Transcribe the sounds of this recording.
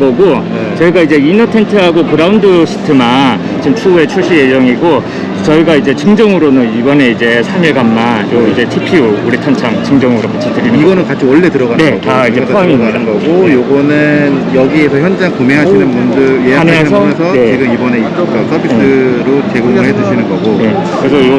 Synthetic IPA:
ɡʌɡo | t͡ɕʌiɡaid͡ʑe̞inʌtʰe̞ntʰɯɦaɡokɯɾaundɯɕʰi̥tʰɯman | t͡ɕimt͡ɕʰue̞t͡ɕʰuɕʰije̞d͡ʑʌŋiɡo | t͡ɕʌiɡaid͡ʑe̞t͡ɕɯŋd͡ʑʌŋɯɾonɯnibʌne̞id͡ʑe̞sʰamiɭɡamːajoid͡ʑe̞tʰipʰiuuɾitʰʌnt͡ɕʰaŋt͡ɕɯŋd͡ʑʌŋɯɾopat͡ɕʰitɯɾinɯiɡʌnɯnkat͡ɕʰiʌɭːe̞tɯɾʌɣane̞taid͡ʑepʰoamiɲidanɡʌɡojoɡʌnɯnjʌɡiesʰʌçjʌnd͡ʑaŋkumeɦaɕinɯnmundɯjeaaɲasʰʌsʰʌnet͡ɕiɡɯmibʌne̞it͡ɕ͈ʌk͈akʰʌpʰiɯɾot͡ɕeɡoedɯɕʰinɯnɡʌɡone̞ | ɯɾesʰʌo

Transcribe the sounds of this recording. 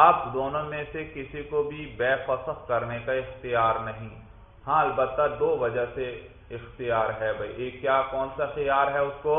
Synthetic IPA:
aːpd̪oːnõmẽsekɪsikobʱibɛːfɔːsəxkɐɾnekaɪxt̪ijaːɾnɐɦĩː | hãːɐlbət̪ːad̪oːʋɐd͡ʒəɦse | ɪxt̪ijaːɾɦɛbʱɐiʔeːkːjaːkɔːnsaɪxijaːɾɦɛʊskoː

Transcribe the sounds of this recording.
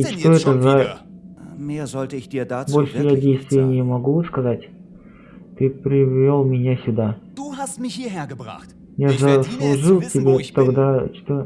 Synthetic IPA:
it͡ʃt̪o̞ɛt̪əza | meːɐzɔltəɪçd̥iːɐdabo̞lʲʂɨjadʲejst̪vʲɪjənʲɪəmɐɡuskɐzatʲ | t̪ɨpɾʲɪvʲolˠmʲɪnʲasʲʊd̪ad̥uhastmɪhiːɐheːɐɡəba̰χt | jazəslˠʊʐɨlˠtʲɪbʲet̪ɐɡd̪at͡ʃt̪o

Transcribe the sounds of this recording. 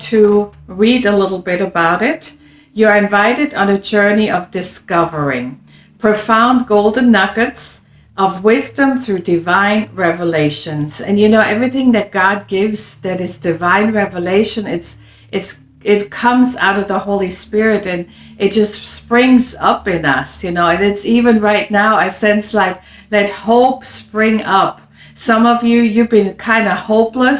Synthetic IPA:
tʰɨɹiɾəlɪɾl̩ˠbɪɾɨbaʊɾɪt | jɨə˞ɨ̃ɱvaɪɾɨɾn̩ɨd͡ʒɜ˞niʔʌvdɨskʌvə˞ɪ̃ŋ | pʰɹ̥ofãʊ̃nɡoʊlˠdⁿn̩ːʌɡɨts | ʔʌvwɪzdɨ̃mθɹʉdɨvãɪ̃nɹɛvəleɪʃɨ̃nz̥ɨ̰̃njɨnoʊʔɛvɹiθɪ̃ŋðɨt̚ɡ̥ɑd̚ɡɪvz̥ðɨɾɨzdɨvãɪ̃nɹɛvəleɪʃɨ̃nɪts | ʔɨts | ɪt̚kʰʌ̃mza̰ʊɾʌvðəhoʊlˠispɪɹɨɾɨ̃n | ʔɨt̚d̥ʒ̥ʌstspɹɪ̃ŋzʌpɪ̃nʌsjɨnoʊɨ̃nɨtsivɨ̃nɹaɪtⁿnaʊɨsɛ̃nslaɪk̚ | lɛt̚hoʊpspɹɪ̃ŋʌp | sʌ̃mʌvjɨjɨvbɨ̃nkʰãɪ̃ndəhoʊpləs

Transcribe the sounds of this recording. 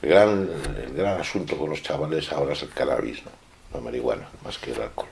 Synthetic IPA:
elɣɾanḛlɣɾanasunt̪oko̞nlo̞st͡ʃaβale̞sao̞ɾaeselkana̰βḭzno | lameɾiɣwa̰nama̰skela̰lkol

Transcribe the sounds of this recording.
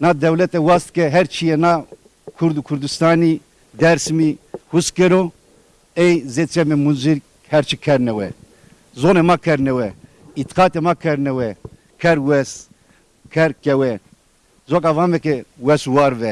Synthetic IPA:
nad̪ɛwlɛt̪ɛwɑst̪̚kɛɦɛɾt͡ʃʰijɛna | kʰuɾd̪ukʰuɾd̪ust̪aːni | d̪ɛɾsmihuskɛɾo | ɛjzet͡ʃʰɛmɛmunziɾk | hɛɾt͡ʃʰikʰɛɾnɛwɛ | zonemakʰɛɾnɛwɛ | it̪qɑːt̪emakʰɛɾnɛwɛ | kʰɛɾwɛs | kʰɛɾkɛwɛ | zokavaːmɛkɛwɛswaːɾvɛ

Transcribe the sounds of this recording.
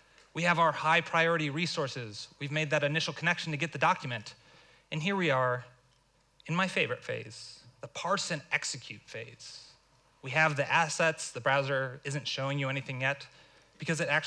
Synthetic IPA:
wiɨvaʊə˞haɪpʰɹ̥aɪɔɹɨɾiɹisɔɹsɪzwivmeɪd̪̚ðɨɾɨnɪʃl̩ˠkʰənɛkʃn̩tʰɨɡɛt̪̚ðɨdɑkʰjɨmɨ̃nt | ɨ̃nɦiɹwiə˞ | ɨ̃nmaɪfeɪvə˞ɨtfḛɪz̥ðəpʰɑɹsɨ̃nɛksɨkʰj̥ʉtfeɪz̥ | wiɨvðiʔæsɛtsðɨbɹaʊzə˞ɪzɨ̃ntʃoʊɪ̃ŋjɨɛniθɪ̃ŋjɛt̚ | b̥ɨkʰʌzɨɾæk̚t͡ʃ

